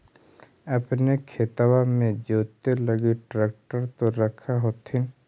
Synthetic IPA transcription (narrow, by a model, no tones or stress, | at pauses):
əpnekʰet̪awamẽd͡ʒoːt̪eləɡiʈɾeːk̚ʈəɾt̪oɾəkʰaɦoːt̪ʰɪn